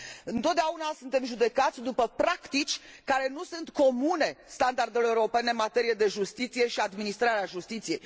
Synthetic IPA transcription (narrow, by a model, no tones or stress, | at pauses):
ɨnt̪ot̪d̪eaunasunt̪e̞mʒud̪e̞kat̪sʲd̪upəpɾakt̪it͡ʃʲ | kaɾe̞nusunt̪ko̞mune̞st̪and̪ard̪eloeuɾope̞neɨnmat̪e̞ɾijed̪e̞ʒust̪it̪sije̞ʃiad̪minist̪ɾaɾeaʒust̪it̪sije̞j